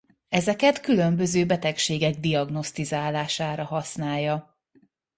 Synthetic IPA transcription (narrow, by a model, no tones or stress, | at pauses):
ɛzɛkɛt̪kylømbø̞zøːbɛt̪ɛkʃeːɡɛɡ̚d̪ijɒɡno̞st̪izaːlaːʃaːɾɒɦɒsnaːjːɒ